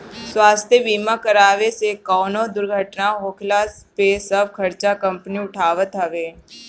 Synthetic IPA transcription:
swaːst̪ʰjəʋiːmakəɾaːʋesekɔːnõd̪ʊɾɡʱəʈnaɦoːkʰlaspesɐb̚kʰɐɾt͡ʃakɐ̃mpniʊʈʰaːʋət̪ɦəʋeː

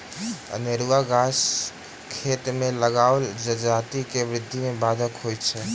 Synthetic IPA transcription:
ə̰nɪɾʋaɡas | kʰet̪meləɡaʊld͡ʒəd͡ʒat̪ikeʋɾɪd̪ʱːimebad̪ʱəkɦojt̪t͡ʃʰɛ

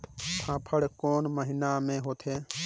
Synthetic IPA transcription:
t̪ʰãːpʰəɽkoːnməɦɪnamẽːɦoːt̪ʰɦeː

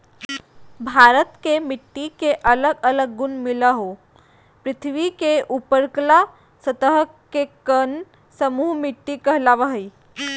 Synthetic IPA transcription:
bʱaːɾət̪kemɪʈːikeʔələɡələɡ̚ːʊnmɪlaɦo | pɾɪt̪ʰʋikeʔupəɾkla | sət̪əɦ | kekən | səmuːɦmɪʈːikəɦlaʋəɦəi

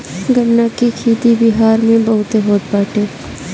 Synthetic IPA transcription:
ɡʱənːakikʰiːt̪ibɪɦaːɾmẽbɐɦʊt̪eɦoːt̪̚baːʈʰeː

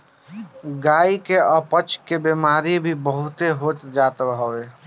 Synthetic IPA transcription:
ɡaikeəpət͡ʃkebemaɾibʱibəɦut̪eɦot̪d͡ʒat̪bɦəwe

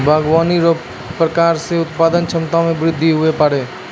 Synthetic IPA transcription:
bʱaːɡwaːniɾo | pɾəkaːɾseʊt̪paːd̪ənt͡ʃʰɐmt̪amẽbɾɪd̪ʱːiɦʊepaɽeː

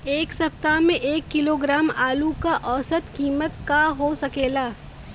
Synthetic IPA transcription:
eːksɐpt̪amẽʔeːkːɪloːɡɾaːmaːlukaʔɔːsət̪kiːmət̪kaɦosɐkeːlaː

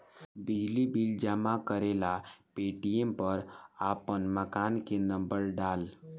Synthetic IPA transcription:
bid͡ʒlibild͡ʒamakəɾelapeʈijempəɾapənməkaːnkenə̃mbəɾɖaːl

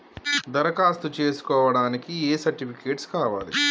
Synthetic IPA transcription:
d̪ɐɾɐkaːst̪ut͡ʃe̞ːsu̥kɔːʋɐɽaːnikieːsɐɾʈipʰikeːʈskaːʋa̰ːlḭ

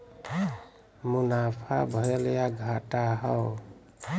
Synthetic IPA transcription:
munapʰa̰bʱʌɾeljaɡʱaʈaɦɔw

